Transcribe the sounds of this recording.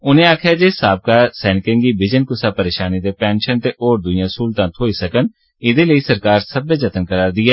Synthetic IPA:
ʊnẽaːkʰjaːd͡ʒeːsaːb̚kasɛːnɪkɪ̃ŋɡibɪd͡ʒənkʊsapəɾeːʃaːnit̪epɛ̃ːnʃənt̪eʔoːɾd̪ʊjãsuːlt̪ãːt̪ʰoːisəkən | ɪd̪eləisəɾkaːɾsəbed͡ʒət̪ənkəɾaːɾd̪ɪaː

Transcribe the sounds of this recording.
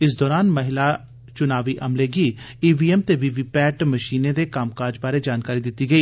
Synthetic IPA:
ɪsd̪ɔːɾaːnməɦɪlaː | t͡ʃʊnaːʋiːʔəmleːɡiːiːʋiːɛːmt̪eːʋiʋiːpɛːʈməʃiːnẽːd̪eːkaːmkaːɾd͡ʒbaːɾeːd͡ʒaːnkaːɾiːd̪ɪt̪ːiːɡəiː

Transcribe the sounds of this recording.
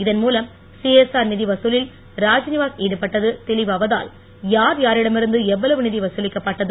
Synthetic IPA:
ɪðɐnmuːlɐm | siɛsaːɾnɪðiʋɐsuːlɪl | ɾaːd͡ʒnɪʋaːseːɽɯpːɐʈːɐðɯt̪ɛɭɪʋɐʋɐða̰ːl | jaːɾjaːɾɪɽɐmɪɾɯnd̪ɯɛʋːɐlɐʋɯnɪðiʋɐsɯlɪkːɐpːɐʈːɐðɯ

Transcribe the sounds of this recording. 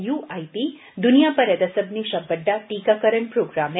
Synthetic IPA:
juajpi | d̪unijapɐɾjɐd̪ɐsəbniʃɐbːəɖ̪ːaʈikakəɾəɳpɾoːɡɾame

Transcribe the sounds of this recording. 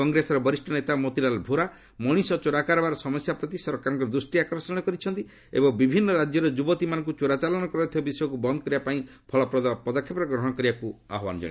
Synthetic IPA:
kɔŋɡɾesɔɾɔbɔɾisʈʰɔnet̪amot̪ilalbʱoɾa | mɔɽ̃isɔt͡ʃoɽakaɾɔbaɾɔsɔmɔsjapɾɔt̪isɔɾkaɾɔŋkɔɾɔd̪ɾusʈiakɔɾsɔɽ̃ɔkɔɾit͡ʃʰɔnt̪i | ḛbɔŋbibʱinːɔɾad͡ʒjɔɾɔd͡ʒubɔt̪imanɔ̃ŋkut͡ʃoɽat͡ʃalɔɽ̃ɔkɔɾɔt̪ʰibabisɔjɔkubɔnd̪ɔkɔɾibapaĩ | pʰɔɭɔpɾɔd̪apɔd̪ɔkʰːjepɔɾɔɡɾɔɦɔɽ̃ɔkɔɾibakua̰ɦɔba̰nɔd͡ʒɔ̰ɽ̃ĩ

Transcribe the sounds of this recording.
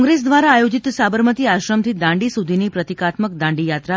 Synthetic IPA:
ŋɡɾes̬d̪ʋaɾaːjod͡ʑit̪sabəɾmət̪iːaɕɾəmt̪iːd̪ãɳɖisud̪ʱiniːpɾət̪ikat̪məkd̪ãɳɖiːjat̪ɾa

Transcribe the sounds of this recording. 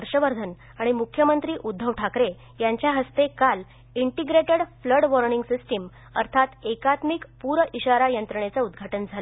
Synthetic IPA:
əɾɕəʋəɾd̪ʱən | aɽ̃imukʰjəmənt̪ɾiːʔud̪ʱːəʋʈʰakɾe | jaɲt͡ɕjaɦəst̪ekal | iɳʈiɡɾeʈəɽfləɽʋɔɾniŋɡsisʈəm | ə̰ɾt̪ʰat̪ekat̪mikpuɾəʔiɕaɾajənt̪ɾəɳjat͡saud̪ɡʱaʈənd͡zʱalə

